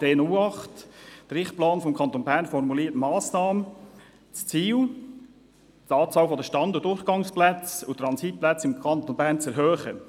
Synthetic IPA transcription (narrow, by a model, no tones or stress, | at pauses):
d̥eːnʊlɑχtd̥əɾɪχt̚plɑːnfɔmkʰɑnt̪onbæːɾnfɔrmuliːətmɑːsnɑːmə | t͡st͡siːw | tɑːt͡sɑːwfɔd̪əʃtɑnd̪ʊdʊrχɡ̥ɑŋsplæt͡sʊt̪ɾɑnsit̚plæt͡sɪmkʰɑnt̪onbæːɾnt͡sɛɾɦœːχə